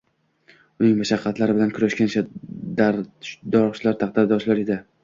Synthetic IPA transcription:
ʊnɪŋmaʃaqʰːɑt̪laɾɪbɪlankʰʊɾaʃkʲanʃʰad̪aɾd̪ɒɾʃlaɾt̪ʰɑχd̪aɾd̪ɒʃlaɾed̪ɪ

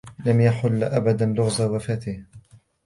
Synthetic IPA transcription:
lamjaħʊlːʔabad̪anlʊɣdawafaːt̪ɪh

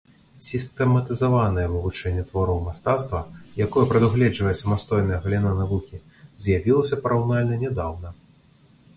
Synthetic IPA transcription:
sʲist̪ɛmɐt̪ɨzavanɐjɛmɐvut͡ʂɛnʲːɛt̪vaɾɔwmast̪at̪st̪vɐjakɔjɛpɾɐd̪uɣlʲɛd͡ʐvɐjɛsɐmast̪ɔjnɐjɐɣɐlʲinanavukʲi | zʲjavʲilˠɐsʲɐpɐɾawnalʲnɐnʲɛd̪awnɐ

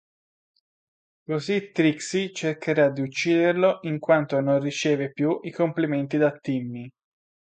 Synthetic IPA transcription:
kozit̪ːɾiksit͡ʃerkeɾad̪ːiut͡ʃːiːd̪erloʔiŋkwant̪ononrit͡ʃeːvepjuʔikompliment̪id̪at̪ːimːi

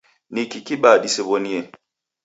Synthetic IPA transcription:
nikikiɓadisebonie

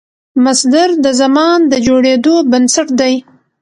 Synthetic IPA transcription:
masd̪aɾd̪əzamɑnd̪əd͡ʒoɽed̪obənsaʈd̪aj

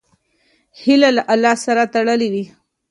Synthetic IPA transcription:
hilalaʔalːɑhsaɾat̪aɽəliwi

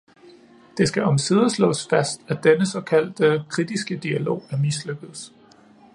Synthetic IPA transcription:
d̥e̝sɡ̥æɒ̽msið̞ˠəslɔ̰̽ːsfæsd̥æd̥enəsɒ̽kʰæl̰d̥əkʰʁid̥isɡ̥əd̥iælo̝̰ːæɐmisløɡ̥ð̩ˠs

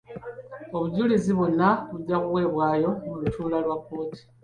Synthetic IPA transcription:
o̞βuɟuliziβunaβuɟakuɣwe̞ːβwaːjo̞mulutuːlalwapo̞ːti̥

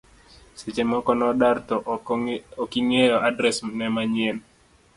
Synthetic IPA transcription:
set͡ʃemɔkɔnɔdart̪ɔ | okiŋejɔʔadɾɛsmnɛmaɲɪɛn

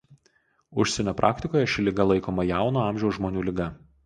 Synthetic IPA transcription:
ʊʃʲsʲɛnʲoːpɾʔɑːkʲt̪ʲɪkoːjɛʃʲɪlʲɪɡɐlˠɐɪkoːmɐjæˑʊnoːɑˑmʲʒʲɛʊsʒmoːnʲuːlʲɪɡɐ

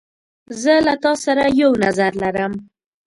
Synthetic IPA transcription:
zəlat̪ɑsaɾajawnazaɾlaɾəm

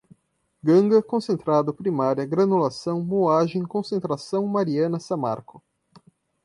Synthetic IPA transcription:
ɡɐ̃ŋɡɐkõsẽnt̪ɾad̪ʊpɾimaɾjɐɡɾɐnulasɐ̃w̃moaʒẽj̃kõsẽnt̪ɾasɐ̃w̃maɾiɐ̃nɐsɐ̃ma̰ɾkʊ

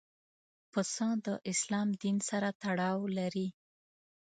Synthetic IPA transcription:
pəsɑ̃d̪əʔɪslɑmd̪insaɾat̪aɽɑwlaɾi

